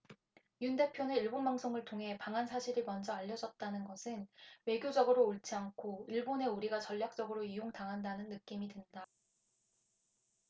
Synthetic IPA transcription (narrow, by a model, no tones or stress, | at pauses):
junde̞pʰjoneiɭbonbaŋsʰoŋɯɭtʰoŋɦe̞paŋɦansʰaɕʰiɾimʌnd͡ʑʌaʎːʌd͡ʑʌt̚t͈anɯnɡʌsʰɯnwe̞ɡjod͡ʑʌɡɯɾoːɭt͡ɕ͈ʰiaŋkʰoiɭbone̞uɾiɡat͡ɕʌʎːjak̚t͡ɕ͈ʌɡɯɾoijoŋtaŋɦandanɯnːɯk͈imidwenda